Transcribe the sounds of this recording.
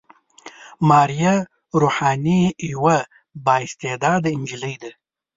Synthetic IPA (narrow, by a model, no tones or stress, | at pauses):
mɑːɾija | ɾuːħɑːniwa | bɑːɪst̪ed̪ɑːd̪ɪnd͡ʒiləjd̪a